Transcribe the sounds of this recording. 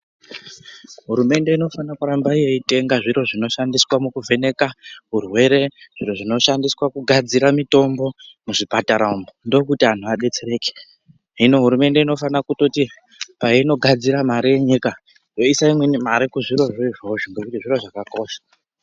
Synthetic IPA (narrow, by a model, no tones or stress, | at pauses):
ɦuɾume̞nde̞ino̞fanakuɾambaije̞ite̞ŋɡaʐiɾo̞ʐino̞ʃandiswamukuve̞ne̞kaɦurwe̞ɾe̞ʐ̥iɾo̞ʐino̞ʃandiswakuɡʱad͡ziɾamito̞mbo̞muʐipataɾaumbondo̞kutian̤uaɗe̞t͡sere̞ːke | ɦino̞ɦuɾume̞nde̞ino̞fanakuto̞ti | paino̞ɡʱad͡ziɾamaɾije̞ɲika | jo̞isaimwenimaɾikuʐiɾo̞ʐeʐoʒoŋɡe̞kutiʐiɾo̞ʐakako̞ːʃḁ